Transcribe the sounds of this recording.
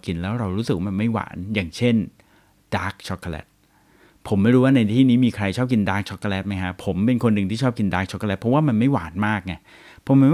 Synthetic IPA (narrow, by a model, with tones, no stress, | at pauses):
ki˧nlɛː˦˥wɾa˧wɾuː˦˥sɯ˨k̚wa˥˩ma˧nma˥˩jwa̰ː˩˦njaː˨˩ŋt͡ɕʰe˥˩n | d̥aː˦˥k̚t͡ɕʰɔ˦˥kʰːa˧lɛ̰˦˥t̪̚ | pʰo˩˦mːa˥˩jɾuː˦˥waː˥˩na˧jt̪ʰiː˥˩niː˦˥miː˧kʰɾa˧jt͡ɕʰɔː˥˩p̚ki˧ndaː˦˥k̚t͡ɕʰɔ˦˥kʰːa˧lɛ˦˥t̪̚ma˦˥jkʰa˦˥pʰo˩˦mpe˧nkʰo˧nːɯ˨˧ŋt̪ʰiː˥˩t͡ɕʰɔː˥˩p̚ki˧ndaː˦˥k̚t͡ɕʰɔ˦˥kːlɛ˦˥t̪̚pʰɔ˦˥waː˥˩ma˧nma˥˩jwa̰ː˩˦nmaː˥˩k̚ŋa˧˥˩ | pʰɔ˦˥ma˧˥w